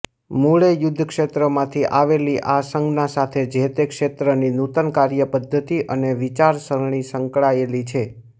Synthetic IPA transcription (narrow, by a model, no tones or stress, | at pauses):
muɭejʊd̪ʱːəkʃet̪ɾəmãt̪ʰiʔaʋeliʔasəŋɡnãsat̪ʰed͡ʒʱet̪ekʃet̪ɾəninut̪ənkaɾjəpəd̪ʱːət̪iʔəneʋit͡ʃaɾsəɾɳ̃isəŋkɭaelit͡ʃʰe